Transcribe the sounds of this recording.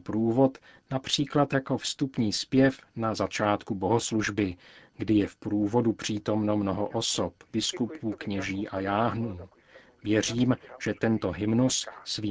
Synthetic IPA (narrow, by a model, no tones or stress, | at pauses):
pɾuːvo̞t̪ | napr̝̥iːklat̪jako̞fst̪upɲiːspjɛfnazat͡ʃaːt̪kuboɦo̞sluʒbɪɡdɪjɛfpɾuːvo̞dupr̝̥iːt̪o̞mno̞mno̞ɦo̞ʔosopb̥ɪskupʰukɲɛʒiːʔajaːɦnuː | vjɛr̝iːmʒ̥ɛt̪ɛnt̪o̞ɦɪmnusːviː